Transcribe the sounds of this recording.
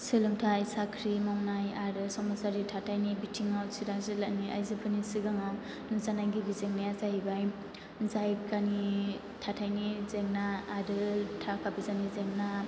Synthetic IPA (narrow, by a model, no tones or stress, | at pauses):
sɯlɯŋtʰajsakʰɾimawnajaɾɯsɔmasaɾitʰatʰajnibitʰiŋawsʰiɾaŋzɯlaʔniʔa̰jzɯpʰɯnisɯɡaŋaw | nɯzanaɡibizeŋniazaɦibaj | zajkani | tʰatʰajnizeŋnaːɾɯtʰakʰabizanizeŋna